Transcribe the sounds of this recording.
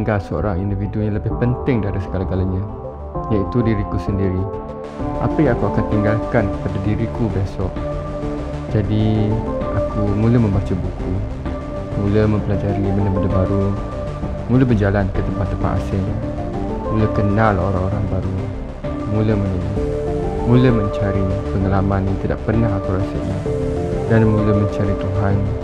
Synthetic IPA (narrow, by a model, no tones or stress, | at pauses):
iŋɡalsəo̰ɾaŋindividujãləbɪhpənt̪ɪŋdaɾisəɡalaɡalaɲã | jait̪udiɾikusəndiɾi | ʔa̰pəjaŋakuakant̪iŋɡalkankəpadadiɾikubasɔʔ | d͡ʒadi | akumuləmə̃mbat͡ʃubuku | muləməmpəlad͡ʒaɾimənəbədəbaɾu | muləbərd͡ʒalankət̪əmpat̪ːəmpa̰a̰sən | muləhkənalɦoɾaŋoɾaŋbaɾu | muləmənina | muləməɲt͡ʃaɾipəŋalamanjaŋt̪ida̰ʔpərnaɦakuɾasəʔɲadanmuləməɲt͡ʃaɾit̪uɦan